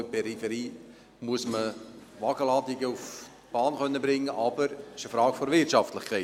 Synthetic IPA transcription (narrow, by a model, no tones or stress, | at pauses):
pɛɾifəɾiː | muəsmə | ʋɑɡ̥əlɑːdɪɡəuf | b̥ɑːnχœnːəbɾɪŋːəʔɑbəɾɪʃəfɾɑːɡ̥fɔɾʋɪrtt͡ʃɑftləχkʰɛ